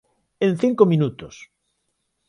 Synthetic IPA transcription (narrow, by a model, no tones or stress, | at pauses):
ẽnθiŋkomĩnut̪os